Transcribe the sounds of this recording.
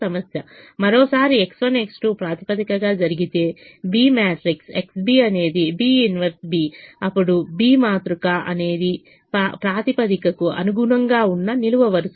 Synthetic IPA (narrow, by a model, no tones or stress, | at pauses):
ɐmɐsjɐmɐɾoːsaːɾieksʋɐneksʈuːpɾaːt̪i̥pɐd̪ikɐɡaːd͡ʒɐɾiɡit̪e̞ːbiːmaːʈɾikseksbiːɐne̞ːd̪ibiːunʋɐɾsbiːɐpːuɽubiːmaːt̪ɾukɐʔɐne̞ːd̪i | papɾaːt̪ipɐd̪ikɐkuɐ̰nuɡuɳɐŋɡaːunːɐniluʋɐʋɐɾus